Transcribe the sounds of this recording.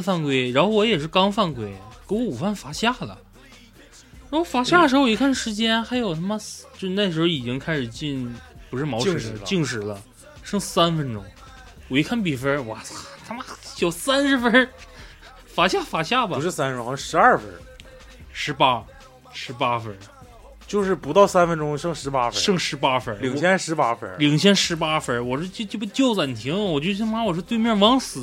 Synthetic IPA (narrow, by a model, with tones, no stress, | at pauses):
ə˧fa˥˧nkwe˥˩ɪɻa˧˥nxo˥˩˧wɔ˧˥jɛ˨˩ʂ̬ɻ̩˥˩kɑ˥ŋfa˥˩nkwe˥˩ɪke˧˥wɔ˧˥u˨˩fa˥˩nfa˧˥ɕja˥˩lə̰˩ | ɻa˧˥nxo˥˩fa˧˥ɕja˥˩ə˩ʂ̬ɻ̩˧˥xo˥˧i˧˥kʰa˥˩nʂɻ̩˧˥t͡ɕjɛ˥nxa˧˥ɪjo˨˩ʊnʰa˥˩mə˧st͡ɕjo˥˧ʊʂ̩˧na˥˩ʂɻ̩˧˥xo˧i˨˩t͡ɕi˥ŋkʰa˥ɪʂɻ̩˨˩t͡ɕi˥˧npu˧˥ʂɻ̩˥˩mɑ˧˥ʊʂŋ˨˧˩ə˧t͡ɕi˥˧ŋʂ̬ɻ̩˧˥lə˧ | ʂɤ˥ŋsa˥nfə˧˥nʈ͡ʂʊ˥ŋ | wɔ˨˧˩i˧˥kʰa˥˩np̬i˨˩fə˥wɔ˧˩t̪ʰa˥m˨jo˨˩ʊsa˥nʂɻ̩˧˥fə˥ | fa˨˩ɕja˥˩fa˨˩ɕja˥˩bɐ˨˧˦ʂɻ̩˥˩sa˥nə˧ʈ͡ʂʊ˥˧˥ʂɻ̩˧˥ɐ˞˥˩fə˧˥ | ʂɻ̩˧˥pa˥ | ʂɻ̩˧˥pa˥fə˧˥ | t͡ɕjo˥˧ʊʂɻ̩˥˩pu˧˥t̪ɑ˥˩ʊsa˥nfə˧˥nʈ͡ʂʊ˥ŋʂɤ˥˧ŋʂɻ̩˧˥pa˥fʂɤ˥˧ŋʂɻ̩˧˥pa˥fə˧˥li˨˩ŋʰjɛ˥nʂɻ̩˧˥pa˥fə˧˥li˨˩ŋt͡ɕʰjɛ˥nʂɻ̩˧˥pa˥fə˧˥wɔ˨˩ʂɔ˥˧t͡ɕo˥˧t͡ɕo˥˩˥t͡ɕjo˥˧ʊt͡sa˥˩n˨˩t̪ʰi˧˥ŋ˨wɔ˨˩t͡ɕjʊt͡ɕʰi˥ŋma˧˥wɔ˨˩ʂ̬ɻ̩ɔ˥t̪we˥˧ɪmjɛ˥˧˩wɑ˧˥ŋsɹ̩˨˩˦